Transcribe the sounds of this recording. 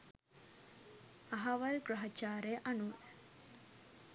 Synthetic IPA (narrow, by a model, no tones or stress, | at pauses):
ɐɦɐʋɐlɡɾɐɦɐt͡ʃaːɾeʔɐnu